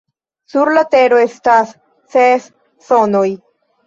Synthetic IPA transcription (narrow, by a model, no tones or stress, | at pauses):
suɾlateɾo̞estasː | esː | onoj